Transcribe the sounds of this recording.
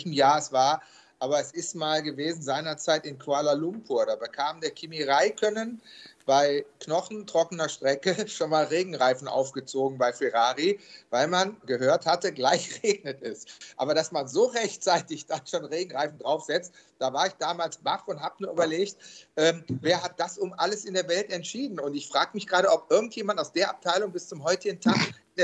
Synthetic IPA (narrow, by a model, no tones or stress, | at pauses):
çm̩jaːɛsv̥aːɐ | ʔaːβɐɛsɪstmaːlɡəveːzn̩zaɪnɐt͡saɪtɪnkʰualalʊmpʰuːɐdaːbəkʰaːmdeːɐkʰimiʁaɪkʰœnənb̥aɪknɔχn̩tʁ̥ɔkənɐʃtʁ̥ɛkəʃoːnmaːlʁeːɡŋ̩ʁaɪfn̩ʔa̰ʊfɡ̥ət͡soːɡŋ̩baɪfɛʁaːʁivaɪlmanɡəɦøːɐthatəɡlaɪçʁeːɡnətɪstʔa̰ːbɐdasmanzoːʁɛçt͡saɪtɪçd̥aʃoːnʁeːɡŋ̩ʁaɪfn̩dʁaʊfz̥ɛt͡st̚d̥aːvaːɐɪçd̥aːmaːlsb̥afʊnthaːbənuːɐʔyːbɐleːçtʔɛːmveːɐhat̚d̥asʔʊmʔaləsɪndeːɐvɛltɛntʃiːdn̩ʊntɪçfʁ̥aːɡəmɪçɡ̥ʁaːɾəʔɔpʔɪɐɡŋ̩tjeːmandnaʊsd̥eːɐʔap̚tʰaɪlʊŋbɪst͡sʊmɦɔʏtɪɡŋ̩tʰaːk | d